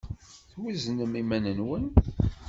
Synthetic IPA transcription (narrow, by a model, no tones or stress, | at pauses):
θwiznəmimænənwən